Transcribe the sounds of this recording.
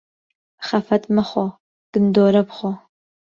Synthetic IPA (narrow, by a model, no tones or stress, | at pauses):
χɐfɐtʰʼmɨχʷɔ | d̥ɨndoːɾɐpχʷɔ